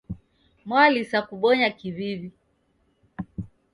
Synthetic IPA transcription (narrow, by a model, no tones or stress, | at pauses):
mwalisakuɓɔɲakiβivi